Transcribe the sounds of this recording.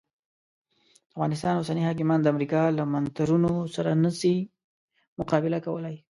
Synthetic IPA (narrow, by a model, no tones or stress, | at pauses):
d̪̥əafɣɑnɪs̬t̪ɑnwosanihɑk̬ɪmɑnd̪əamɾikɑlamant̪aɾunosaɾanəsi | mʊqɑbɪlakawəlaj